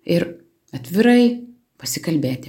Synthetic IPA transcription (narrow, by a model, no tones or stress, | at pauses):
ɪɾ | ɐt̪ʲʋʲɪɾɐɪ | pɐsʲɪkɐlʲbʲeːt̪ʲɪ